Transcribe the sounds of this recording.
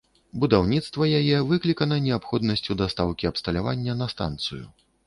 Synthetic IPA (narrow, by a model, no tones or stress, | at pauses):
bud̪awnʲit̪st̪vɐjajɛvɨklʲikɐnɐnʲɛapxɔd̪nɐsʲt͡sʲud̪ast̪awkʲiɐpst̪ɐlʲava̰nʲːɐnɐst̪a̰nt̪sɨ̰jṵ